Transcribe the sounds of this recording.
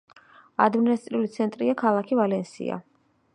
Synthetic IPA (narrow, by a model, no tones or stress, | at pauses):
ad̪minast̪ʼɾiulit̪sʰɛnt̪ʼɾiakʰalˠakʰivalɛnsḭa̰